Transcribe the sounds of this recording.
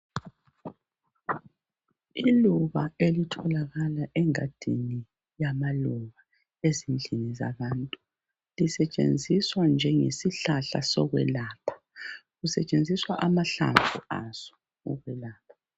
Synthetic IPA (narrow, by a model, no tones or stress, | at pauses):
iluβaelitʰɔlaɣalaʔɛŋad̥ʱini | jamaluβa | ezind͡ɮʱiniza̰βantʼu | lisɛt͡ʃʼḛnd͡zʱiswand͡ʒʱɛŋḛsiɬaɬasɔɣwɛ̰laːpʰḁ | ɣusɛt͡ʃʼend͡zʱiswaʔamaɬa̰tṵaz̥ɔ̥ | ɔ̰ɣwɛlaːpʰḁ